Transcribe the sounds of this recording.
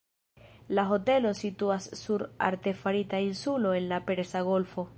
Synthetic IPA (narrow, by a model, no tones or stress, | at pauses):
laɦo̞te̞lo̞situasːuɾa̰ɾte̞faɾitainsulo̞e̞nlapeɾsaɣo̞lfo̞